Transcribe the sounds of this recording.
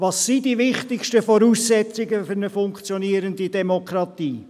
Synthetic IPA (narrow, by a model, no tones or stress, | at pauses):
vɑsːidivɪχtɪkʃtəfɔɾuːsːɛt͡sɪɡəfʏɾnəfʊŋkt͡sjɔniːəɾəndidɛmokʰɾɑtiː